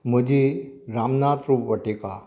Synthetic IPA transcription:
m̤əd͡ʑiɾamnat̪ɾupʋəʈeka

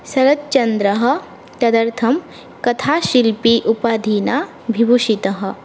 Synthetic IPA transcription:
sɐɾɐt̪̚t͡ʃɐnd̪ɾɐɦɐ̆ | t̪ɐd̪ɐɾt̪ʰɐm | kɐt̪ʰaːʃilpiʔupaːd̪ʱiːnaː | bʱibuʃit̪ɐɦɐ̆

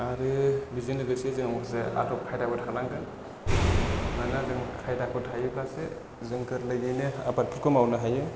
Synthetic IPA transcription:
aɾɯbizinlɯɡɯsiezɯŋamkʰɯsea̰dɔp̚kʰajdabɯtʰanaŋɡɯn | manazɯŋkʰajdakʰɯtʰajɯblase | zɯŋkʰɯɾlɯjɡɯjnɯapat̚pʰɯɾkʰɔmawnɯɦajɯ

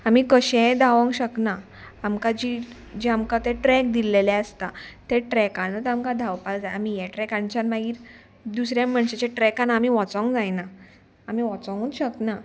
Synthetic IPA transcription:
amikəɕɛ̃d̪aʋə̃ŋɡɕəknaː | mkad͡ʑi | d͡ʑiamkat̪eʈɾɛk̚d̪ilelɛəst̪at̪eʈɾɛkãnət̪amkad̪ʱawpald͡zajamijaʈɾɛkãɲt͡ɕanmaɡiːɾ | d̪usɾjãmːəɳɕet͡ɕaʈɾɛkanamiʋɔt͡sɔ̃ŋɡd͡zajna | amiʋɔt͡sɔ̃ŋɡunɕəkna

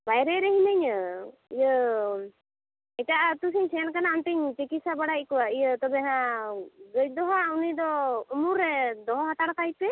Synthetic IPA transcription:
bajɾɛɾɛɦinəɲəijə | ɛt͡ʃaʔat̪usiɲsɛnkanaːnt̪iɲt͡ʃikisabaɽaj̚kɔwaʔijət̪ɔbɛɦã | ɡəj̚d̪ɔɦaunid̪ɔumuɾːɛd̪ɔɦɔɦat̪aɽkaj̚tɛ

